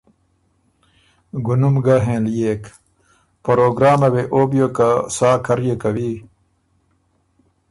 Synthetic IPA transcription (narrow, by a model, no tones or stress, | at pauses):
ɡunumɡaɦẽːljeːk | pɐɾoːɡɾaːmɐweʔoːbijokasaːkʰɐɾjekɐwiː